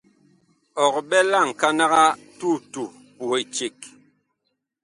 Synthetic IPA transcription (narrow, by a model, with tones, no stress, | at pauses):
ɔ˨kɓɛ˦la˦˨ŋ̩˨ka˦na˦ɣa˦tu˦˨tu˨ | pu˨i˨t͡ʃi˨k